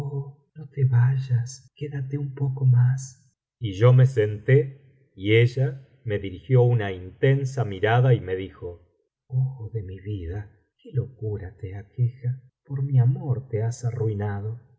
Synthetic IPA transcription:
o | not̪eβaʒaskeðat̪eumpokomas | iʒo̞mesent̪e | ieʒa | me̞ðiɾixjo̞unaint̪ensamiɾaðaime̞ðixo | oxoðe̞miβiða | kelo̞kuɾat̪eakʰexa | poɾmiamoɾt̪easaruinaðo

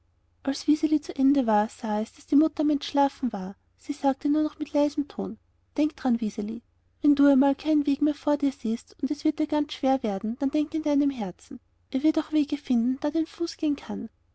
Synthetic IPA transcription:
ʔalsv̥izelit͡suʔɛndəvaːɐsaːɛsd̥asd̥iːmʊtɐmɛntʃlaːfn̩vaːɐ | siːsaːk̚tənuːɐnɔχmɪtʰlaɪzmtʰo̰ːn | d̥ɛŋk̚d̥ʁanvizelḭ | vɛnduːɛmaːlkʰaɪnveːɡmeːɐfoːɐdiːɐziːstʊntɛsv̥ɪɐt̚d̥iːɐɡ̥ant͡sʃv̥eːɐveːɐdn̩d̥and̥ɛŋkɪnd̥aɪnəmɦɛɐt͡sn̩ | ʔeːɐvɪɐtaʊxv̥eːɡəfɪndn̩d̥aːdaɪnfuːsɡ̥eːənkʰan

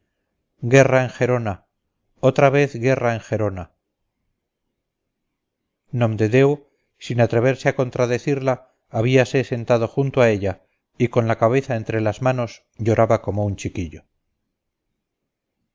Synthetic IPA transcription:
ɡe̞raeŋxe̞ɾo̞na | ot̪ɾaβe̞θɣe̞raeŋxe̞ɾo̞na | nomd̪e̞ðe̞w | sinat̪ɾe̞β̞e̞ɾseako̞nt̪ɾaðe̞θiɾlaː | β̞iase̞se̞nt̪að̞o̞xunt̪oae̞ʎa | iko̞nlakaβ̞e̞θae̞nt̪ɾe̞lazmano̞s | ʝo̞ɾʔaβako̞mount͡ʃikiʎo

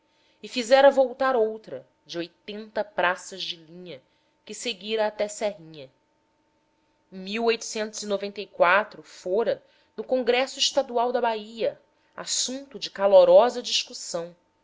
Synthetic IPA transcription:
ɪfizɛɾɐvowt̪aɾowt̪ɾɐ | d͡ʒɪojt̪ẽnt̪ɐpɾasɐzd͡ʒɪlĩɲɐ | kɪseɡiɾɐːt̪ɛsɛɦĩɲɐ | ẽj̃miwojt̪ʊ̥sẽnt̪ʊzinovẽnt̪ejkwat̪ɾʊfoɾɐ | nʊkõŋɡɾɛsʊiʃt̪ad̪uawd̪ɐbaiɐ | a̰sũnt̪ʊd͡ʒɪkaloɾɔzɐd͡ʒiʃkusɐ̃w̃

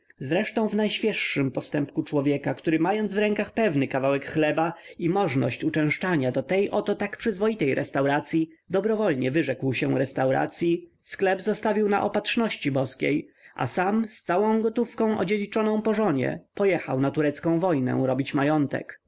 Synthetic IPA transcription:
zɾɛʂt̪ɔ̃w̃vnajɕfʲjɛʂːɘmpɔst̪ɛmpkut͡ʂwɔvʲjɛkakt̪uɾɘmajɔnd̪zvɾɛŋkaxpɛvnɘkavawɛkxlɛbaimɔʐnɔ̰ɕt͡ɕut͡ʂɛ̃w̃ʂt͡ʂaɲad̪ɔt̪ɛjʔɔt̪ɔt̪akpʂɘzvɔjit̪ɛjɾʔɛ̰st̪awɾat̪sʲji | d̪ɔbɾɔvɔlɲɛvɘʐɛkwɕɛɾɛst̪awɾa̰t̪sʲji | sklɛbzɔst̪avʲiwna̰ʔɔpatʂnɔɕt͡ɕibɔskʲḛjʔa̰samst̪sawɔ̃w̃ɡɔt̪ufkɔ̃w̃ʔɔ̰d͡ʑed͡ʑit͡ʂɔnɔ̃w̃pɔʐɔɲɛ̰pɔjɛxa̰wnat̪uɾɛt̪skɔ̃w̃vɔjnɛ̰̃ɾɔbʲit͡ɕmajɔnt̪ɛ̰k

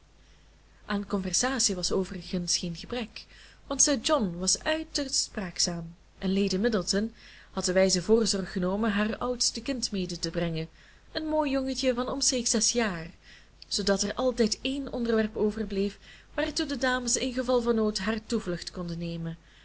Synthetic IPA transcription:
ʔaːnkɔnvɛrz̥aːsiʋɑsoːvərəɣənsxeːnɣəbrɛk | ʋɑntsərd͡ʒɔnʋɑsœɥtərspraːksaːm | ʔɛnlejdəmɪdəlˠtən | hɑt̚dəʋɛjzəvoːrzɔrxənoːmənɦaːrʌwtstəkɪntmeːdətəbrɛŋə | ənmoːjːɔŋəcəvɑnɔmseːksɛsjaːr | z̥odɑtɛrʔɑlˠtɛjteːnʔɔndərʋɛrpoːvərblejfʋaːrtudədaːməsɪnɣəvɑlˠvɑnːoːtɦaːrtuvlɵxtkɔndəneːjmən

